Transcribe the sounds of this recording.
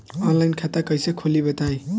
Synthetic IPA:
ɔnlajnkʰat̪akʌjsʌkʰolibʌt̪aj̃

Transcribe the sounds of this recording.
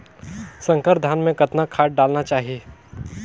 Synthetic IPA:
sə̃ŋkəɾd̪ʱaːnmẽkɐt̪nakʰaːʈ̚ɖaːlnat͡ʃaːɦieː

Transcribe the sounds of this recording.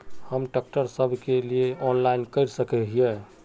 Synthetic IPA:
həmɖək̚ʈəɾsəbʱkelieʔɔnlainkəɪɾsəkɛɦie

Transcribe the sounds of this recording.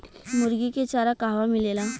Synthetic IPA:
muɾɡiket͡ɕaɾakaɦʋamilela

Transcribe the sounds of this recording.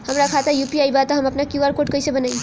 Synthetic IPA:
ɦəmɾakʰat̪ajupiajbat̪ɔɦəməpnakjuaɾkoʈ̚kʌjsẽbənaj

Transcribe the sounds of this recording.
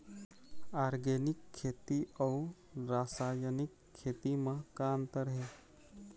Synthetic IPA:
aːɾɡeːnɪkʰːeːt̪iɔu | ɾaːsaːjənɪkʰːeːt̪imãkaːnt̪əɾəɦe

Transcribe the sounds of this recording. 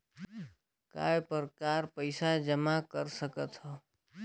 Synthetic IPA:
ka̰ːepəɾkaɾpəɪsad͡ʒəmakəɾsəkət̪ɦɔ

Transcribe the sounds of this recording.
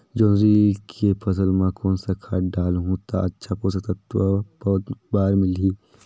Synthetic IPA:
d͡ʒoːnɾikʰepʰɐsəlmãkoːnsakʰaːɖaːlɦũt̪a̰ɐtːʃʰapoːs̬at̪ət̪ʋapɐt̪baːɾmɪlɦiː

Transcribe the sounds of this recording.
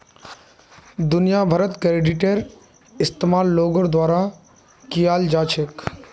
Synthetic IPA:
d̪ʊnijabʱəɾət̪kɾeːɖiʈeɾ | ɪst̪emaːlːoːɡəɾd̪waːɾa | kijaːld͡ʒaːt͡ʃʰek

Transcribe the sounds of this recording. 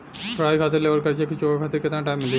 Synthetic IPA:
pɾaːjkʰaːt̪əɾleːʋəɾkɐɾt͡ʃʰekit͡ʃoːbakʰaːt̪əɾkɪt̪nãʈaːjmːɪld̪i

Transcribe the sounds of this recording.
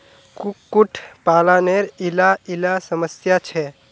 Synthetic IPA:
kukːuʈʰpalaneɾilailasəməsjat͡ʃʰɛ

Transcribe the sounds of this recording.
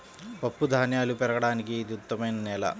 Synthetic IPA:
pɐpːud̪ʱaːnjaːlupɛɾɐɡɐɽaːnik̬iːd̪uut̪ːɐmeːnɐneːlɐ̰

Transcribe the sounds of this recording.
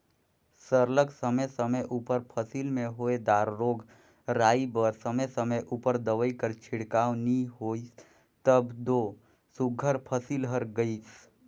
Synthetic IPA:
səɾləksəməjsəməjʔupəɾpʰəsiːlmẽɦoːed̪aːɾːoːɡ | ɾaːibəɾsəməjsəməjʔupəɾd̪əʋəikəɾt͡ʃʰɪɽkaːwniɦoːi | t̪əbd̪oː | sʊɡʱəɾpʰəsiːlɦəɾɡəis

